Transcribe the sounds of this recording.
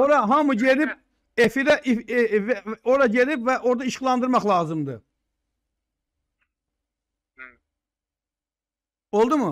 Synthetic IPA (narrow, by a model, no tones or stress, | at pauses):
oɾɑɦɑmuɟelip | efiɾæʔivo̞ɾɑɟelipvæʔo̞ɾd̪ɑiʃχlˠɑnd̪ɯɾmɑχlˠɑːzɯmd̪ɯ | o̞lˠd̪umu